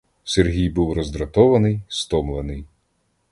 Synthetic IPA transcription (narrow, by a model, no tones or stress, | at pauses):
serɦʲijbuwɾɔzd̪ɾɐt̪ɔʋɐnɪjst̪ɔmlˠenɪj